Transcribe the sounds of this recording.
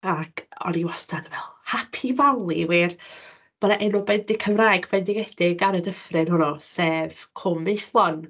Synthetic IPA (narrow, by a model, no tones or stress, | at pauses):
akʰɔ̰niwastʰadvɛlˠhapʰivawlˠiwiːr | m̥anaʔɛnɔbɛndɪkʰəmraːjɡbɛndɪɡɛd̥ɪɡaɾədəfrɪnhʊnɔsɛv̥kʰʊmːeθlˠɔn